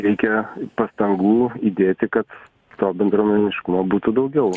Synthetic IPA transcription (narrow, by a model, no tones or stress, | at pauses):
ɾʲɛɪkʲɛpɐst̪ɐŋɡuːiːd̪ʲeːt̪ʲɪkɐt̪ | t̪oːbʲɛnd̪ɾoːmɛɪnʲɪʃkʊmoːbuːt̪ʊd̪ɐʊɡʲɛʊ